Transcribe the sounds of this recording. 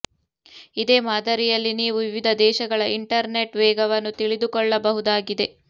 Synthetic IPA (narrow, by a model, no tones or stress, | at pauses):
id̪eːmaːd̪ɐɾijɐlːiniːʋuʋiʋid̪ʱɐd̪ɛːʃɐɡɐɭɐʔiɳʈɐɾneʈʋɛːɡɐʋɐnːut̪iɭid̪ukɔɭːɐbɐɦud̪aːɡid̪e̞